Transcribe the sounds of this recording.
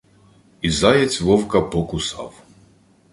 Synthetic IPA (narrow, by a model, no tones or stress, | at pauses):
izajɛt͡sʲvɔwkapɔkʊsa̰w